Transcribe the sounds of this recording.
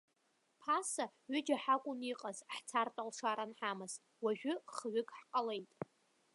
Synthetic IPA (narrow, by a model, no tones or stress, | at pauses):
pʰasaɥʏd͡ʒaħakʷʼʊniqʼazħt͡sʰartʼalʂaɾanħamɨzʼ | waʒᶣʏχɥʏkʼħqʼalejtʼ